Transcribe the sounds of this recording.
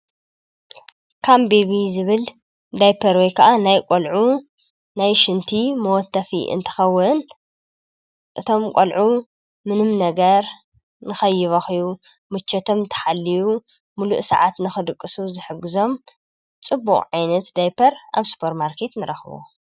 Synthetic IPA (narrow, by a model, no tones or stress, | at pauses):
kʰambeβizɨβɨl | d̪ajpʰɐɾwojkʰɐʔanajkʷʼolʕu | najʃɨnt̪ʰimɐwɔt̪ʰːɐfḭʔɨ̰nt̪ʰɨ̥xɐwːɨn | ʔɨt̪ʰo̞mkʷʼo̰lʕu | mɨnɨmnɐɡɐɾ | nɨxɐjːɪβɐxiju | mɨt͡ʃːɐt̪ʰo̞mt̪ʰɐ̥ħalːiju | mulṵʔsɐ̰ʕat̪nɨxɨd̪ɨkʼːɨsuzɨħɨɡːɨzo̞m | t͡sʼɨbːuχʼʕajnɐt̪d̪ajpʰɐɾa̰βsu̥pʰɐɾmaɾkʰe̞t̪nɨɾɐxɨβṵ